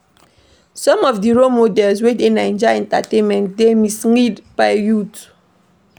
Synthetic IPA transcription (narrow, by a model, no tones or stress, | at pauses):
sɔ̃mɔfdiɹomodɛlswedenaɛ̃nd͡ʒɔjɛ̃nta̰tẽnmɛ̃ntdemisŋidb̥aɪjut